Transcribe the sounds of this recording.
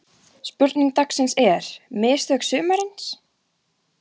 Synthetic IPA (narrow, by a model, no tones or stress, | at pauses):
spʏɾt̪niŋk̚t̪aksɛnsɛɾ̥mɪːst̪œksʏːmaɾɪns